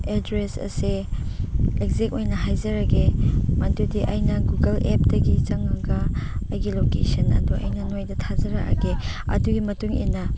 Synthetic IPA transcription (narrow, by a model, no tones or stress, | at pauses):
edɾesɐ̰se | ekzek̚ojnɐɦajzɐɾɐɡemɐndudiʔɐjnɐɡuɡɐlep̚dɐɡit͡ʃɐŋɐɡɐɐjɡilokesɐnɐ̰duʔɐ̰jnɐnojdɐtʰazɐɾɐkɐ̰ɡe | ɐ̰duɡimɐtuŋḭnːɐ